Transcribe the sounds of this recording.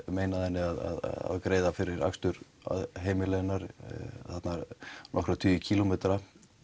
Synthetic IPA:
meːjnaðɛnːɪaða̰ða̰ðkɾeːjðafɪɾɪɾa̰kst̪ʏɾ | a̰ðɦeːjmɪlɛnːaɾθat̪naɾnʔɔkɾat̪ʰyːjʏcʰiːlomeːt̪ɾa

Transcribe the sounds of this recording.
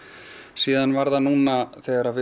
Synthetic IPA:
siːðanvaɾðanuːnaθɛjðaɾavɪ

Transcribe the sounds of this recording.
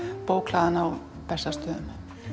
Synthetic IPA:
poːwkʰlaːðanaw | pɛsast̪œːðʏm

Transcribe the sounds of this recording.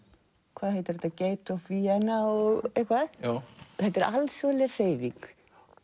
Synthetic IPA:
kʰvaːðhejt̪ɪɾɛt̪aceːjt̪ɔviɛnaɔɣɣehkʰvað | θɛt̪ɛɾʔalsvɔlɛr̥eːjviŋk

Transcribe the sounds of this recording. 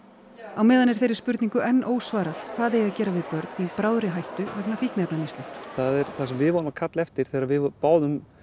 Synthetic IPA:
awmɛːðanɛɾ̥θejɾɪ̥ɾspʏɾt̪niŋkʏʔɛnːʔoːwsvaːɾaθθaðejaðcɛːɾavɪðpœɾt̪nipɾaːwðɾɪɦajht̪ʏvɛknafihknɛpnanijst̪lʏθaðɛɾθasɛmvɪðvɔːnʏmakʰat̪lɛft̪ɪɾ̥θɛːɾavɪpaːwðʏm

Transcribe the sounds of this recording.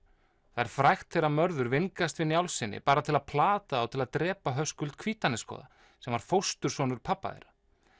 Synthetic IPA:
θaɛɾ̥fɾajxt̪θejɾamœɾðʏɾvɪŋkast̪vɪnjawlsɪnːɪ̰paːɾat̪ʰɪlaðpʰlaːt̪aawt̪ʰɪlaðt̪ɾɛːpaɦœskʏlt̪kʰviːt̪anɪskɔ̰ːða̰ | sɛmvaɾ̥fowst̪ʏɾ̥svɔnʏɾ̥pʰapːa̰ðɛ̰ɾḁ

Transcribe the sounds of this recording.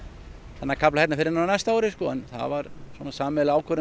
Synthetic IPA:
θɛnːakʰaplahɛt̪nafɪɾɪɾnananɛst̪aawɾɪskɔɛ̰nθa̰vaɾswɔnasaːmɛlaːwkʰvœɾɪ

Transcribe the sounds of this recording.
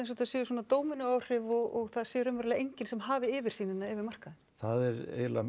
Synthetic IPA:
ejns̬ɔt̪ʰasɛːjʏs̬ɔnat̪oːwmɪnʏaːwr̥ɪvɔɣɔɣθaðsɛːjʏɾʏmvɛɾlɛaʔejɲcɪnsɛmɦaːvɪɪːvɪɾ̥siːnɪnːaɛːvɪɾmar̥kaðɪn̥θaðɛɾḛːjla

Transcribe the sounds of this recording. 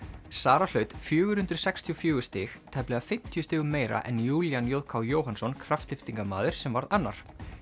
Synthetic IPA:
saːɾal̥œɥt̪fjʏːɣʏɾ̥hʏnt̪ɾʏ̥sɛkst̪ʰiɔfjʏːɣʏst̪ɪxt̪ʰɛplɛɣafɪm̥t̪ʰjʏst̪ɪːɣʏmeːjɾa̰ʔɛnjuːljanjoːðkʰawjoːwɦansɔnkʰɾaft̪lɪft̪iŋkamaːðɪɾ̥sɛmvaɾðanːa̰ɾ̥

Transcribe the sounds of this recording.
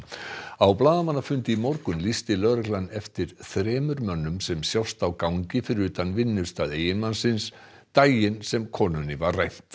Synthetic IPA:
awplaːðamanːafʏnt̪ɪimowɾkʏmlist̪ɪlœːɾɛklanːɛft̪ɪɾ̥θɾɛːmʏɾmœnːʏmsɛmsjawst̪awkawɲcɪfɪɾɪɾʏːt̪anvɪnːʏst̪aðeːjɪnmansɪns | t̪aːjɪnsɛmkʰɔːnʏnːɪvarrajht̪

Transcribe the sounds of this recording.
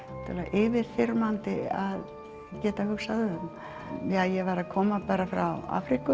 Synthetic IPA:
t̪ʰɛlaʔɪːvɪɾ̥θɪɾmant̪ɪað | cɛːt̪ahʏxsaðʏʏm | jajɛvaɾakʰɔːmapaːɾafɾa̰wa̰ːfɾikʏ

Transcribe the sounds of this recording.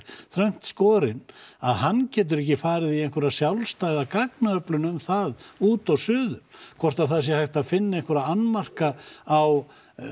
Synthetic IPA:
θɾœɥm̥t̪skɔːɾɪnaðhanːcɛːt̪̬ʏɾɛhcɪfaːɾɪðiejŋkvœɾasjawlst̪ajðakaknaœplʏnʏmθaðuːt̪awsʏːðʏɾ̥kʰvɔr̥t̪aðθasjɛhajht̪aðfɪnːaejŋkɔɾaanmar̥kaaw

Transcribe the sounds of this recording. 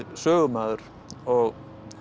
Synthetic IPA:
sœːɣʏmaːðʏɾ̥ | ɔɣ

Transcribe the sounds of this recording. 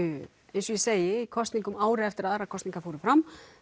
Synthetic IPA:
ẽjnsɔjɛseːjɪikʰɔst̪niŋkʏmaːwɾɪɛft̪ɪɾaðaɾaðkʰɔst̪niŋkafoːwɾɪfɾam

